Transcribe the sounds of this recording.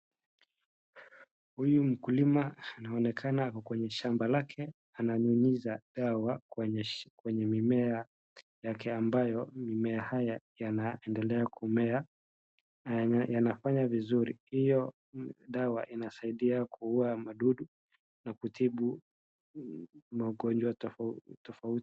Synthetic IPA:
hujum̩kulimaːnaɔnɛkʰanakwɛɲɛʃambalakʰɛ | anaɲunizaɗawa | kwɛɲɛmimɛa | jakʰɛambajɔmimɛahajajanaɛndɛlɛakumɛa | janafaɲavizuɾḭhijɔ | ɗawa̰ʔinasaiɗiakʰuuamaɗuɗu | nakutʰiɓu | maɠɔnd͡ʒwatɔfauti̥

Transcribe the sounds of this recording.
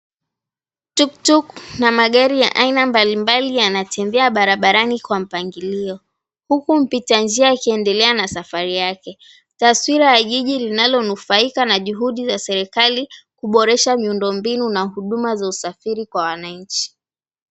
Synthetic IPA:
tuk̚tuknamaɠaɾija̰ʔainambalimbalijanatɛmbɛaɓaɾaɓaɾanikwam̩paŋɡiliɔ | hukum̩pitand͡ʒiakiɛndɛlɛanasafaɾijakɛ | taswiɾajaʄiʄilinalɔnufaikanaʄuɦuɗizasɛɾɛkalikuɓɔɾɛʃamiundɔmbinunaɦuɗumazausafiɾikwawanaɲ̩t͡ʃi̥

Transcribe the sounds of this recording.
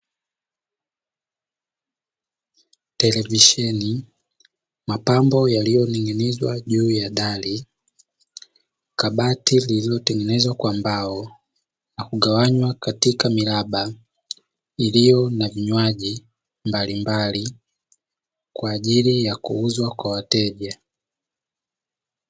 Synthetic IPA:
tɛlɛviʃɛni | mapambɔjalijɔniŋɡɛnɛzwaʄuːjaɗali | kaɓatilililɔtɛŋɡɛnɛzwakwambaɔ | nakuɠawaɲwakatikamilaɓa | ilijɔnaviɲwaʄi | mbalimbali | kwaːʄilijakṵuzwakwawatɛʄa

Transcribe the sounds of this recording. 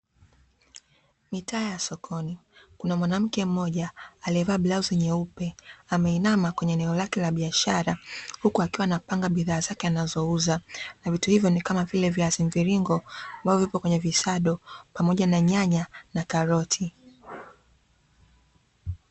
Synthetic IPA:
mitaːjasɔkʰɔnikunamwanam̩kɛm̩mɔʄaːliɛvaːblauzɛɲɛupɛamɛinamakwɛɲɛːnɛɔlakɛlaɓiaʃaɾahukuakiwanapaŋɡaɓiðaːzakɛanazɔuzanavituhivjɔnikamavilɛviaziɱviɾiŋɡɔambavɔvipɔkwɛɲɛvisaɗɔpamɔʄanaɲaɲanakaɾɔtʰi

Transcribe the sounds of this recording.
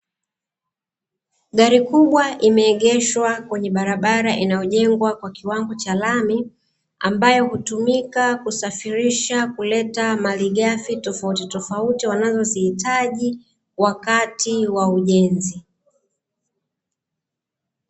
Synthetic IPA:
ɠaɾikuɓwaʔimɛːɠɛʃwakwɛɲɛɓaɾaɓaɾaʔinajɔʄɛŋɡwakwakiwaŋɡɔt͡ʃalami | ambajɔhutumikakusafiɾiʃakulɛtamaliɠafitɔfautitɔfautiwanazɔzihitaʄi | wakatiwauʄɛnzi

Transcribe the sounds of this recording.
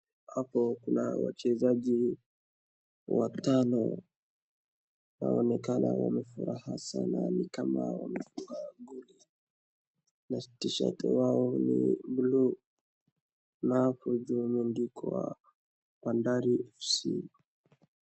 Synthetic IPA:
hapɔkunawat͡ʃɛzaʄi | watanɔ | naɔnɛkanawamɛfuɾahasananikamawamɛfuŋɡaɡuli | natiʃa̰tɛwaɔniblu | nafuʄumundikʰɔwa | pandaɾiɛfsi

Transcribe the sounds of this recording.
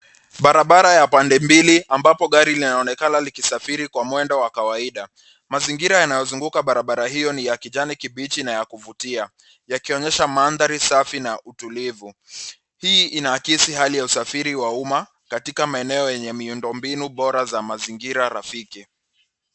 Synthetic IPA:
ɓaɾaɓaɾajapandɛmbiliʔambapɔɠaɾilinaɔnɛkanalikisafiɾikwamwɛndɔwakawaiɗa | maziŋɡiɾajanajɔzuŋɡukaɓaɾaɓaɾahijɔnijakiʄanikiɓit͡ʃinajakuvutia | jakiɔɲɛʃamanðaɾisafinaʔutulivu | hiːinakisiɦalijausafiɾiwauma | katikamaɛnɛɔjɛɲɛmiundɔmbinuɓɔɾazamaziŋɡiɾaɾafiki

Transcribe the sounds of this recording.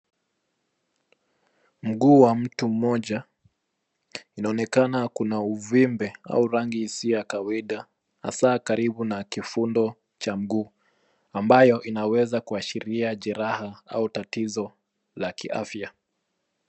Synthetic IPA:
m̩ɡuːwam̩tum̩mɔʄa | inaɔnɛkanakunauvimbɛa̰uɾaŋɡisiɔjakawaiɗa | ha̰saːkaɾiɓunakifundɔ | t͡ʃam̩ɡuː | ambajɔʔinawɛzakuaʃiɾiaʄɛɾahaa̰utatizɔ | lakḭʔa̰fja

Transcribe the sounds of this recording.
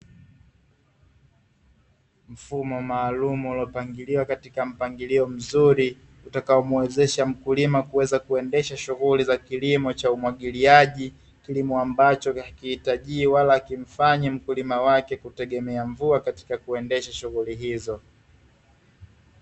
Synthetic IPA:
m̩fumɔmaːlumuːlɔpaŋɡiliwakatikam̩paŋɡiliɔm̩zuɾi | utakaɔmwwɛzɛʃam̩kulimakuwɛzakuɛndɛʃaʃuɣulizakilimɔt͡ʃaumwaɠiliaʄi | kilimɔambat͡ʃɔakihitaʄiːwalakim̩faɲam̩kulimawakɛkutɛɠɛmɛaɱvuakati̥kakuɛndɛʃaʃuɣuliɦizɔ

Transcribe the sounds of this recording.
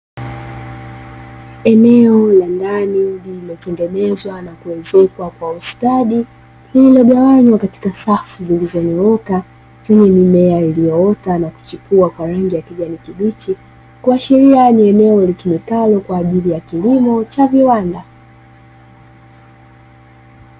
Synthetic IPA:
ɛnɛɔlandanilililɔtɛŋɡɛnɛzwanakuwɛzɛkwakwaustaɗi | lililɔɠawaɲwakati̥kasafuzilizɔnɛɔka | t͡ʃɛɲɛmimɛailijɔɔtanaku̥t͡ʃipuakwaɾaŋɡijakiʄanikiɓit͡ʃi | kuaʃiɾianiɛnɛɔlikimikalɔkwaːʄilijakilimɔt͡ʃaviwanda

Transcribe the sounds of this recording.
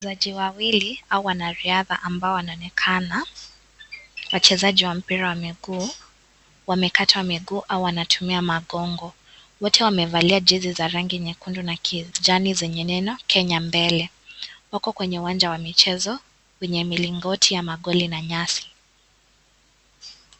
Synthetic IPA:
zaʄiwawiliauwanaɾiaðaʔambaɔwanaɔnɛkʰana | wat͡ʃɛzaʄiwam̩piɾawamiɡuː | wamɛkatʰwamiɠuːʔauwanatʰumiamaɠɔŋɡɔ | wɔtʰɛwamɛvaliad͡ʒizizaɾaŋɡiɛɲɛkundunakʰid͡ʒanizɛɲɛnɛnɔkʰɛɲambɛlɛ | wakɔkwɛɲɛuwand͡ʒawamit͡ʃɛzɔ | wɛɲɛmiliŋɡɔtʰijamaɠɔlinaɲasi̥

